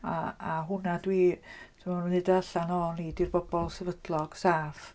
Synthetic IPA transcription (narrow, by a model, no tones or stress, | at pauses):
aaɦʊnadwiːtʰəmɔnnɪdaaɬanɔːnidirbɔbɔlˠsɛvədlˠɔɡ̥saːf